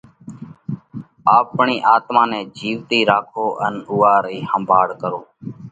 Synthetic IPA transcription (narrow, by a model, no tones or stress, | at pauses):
aːpɳiːʔaːt̪maːnɛ̃ːd͡ʒiːʋt̪iːɾaːkʰoːʔənʊːaːɾiːhəmbʱaːɽkəɾoː